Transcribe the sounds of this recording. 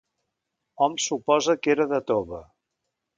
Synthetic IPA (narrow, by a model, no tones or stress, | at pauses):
ɔmsupɔzəkeɾəðət̪oβə